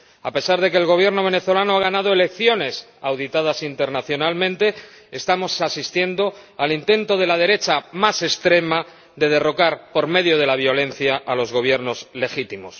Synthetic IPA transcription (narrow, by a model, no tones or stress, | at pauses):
a̰pe̞saɾð̞e̞keːlɣ̞o̞β̞je̞ɾno̞β̞e̞ne̞θo̞lanoaɣ̞anað̞oe̞le̞kθjo̞ne̞sawðit̪aðasint̪e̞ɾnaθjo̞nalmẽnt̪e̞ | est̪amo̞sasist̪je̞nd̪o̞alint̪e̞nt̪o̞ð̞e̞lað̞e̞ɾe̞t͡ʃamase̞st̪ɾe̞ma | ðe̞ð̞e̞ro̞kaɾpo̞ɾme̞ðjo̞ð̞e̞laβ̞jo̞le̞nθjaʔːlo̞zɣo̞β̞je̞ɾno̞zle̞xit̪imo̞̰s